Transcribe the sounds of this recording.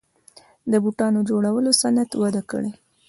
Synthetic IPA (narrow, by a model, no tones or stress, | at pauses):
d̪əbuʈɑnod͡ʒoɽawəlosanat̪wad̪akə̰ɽe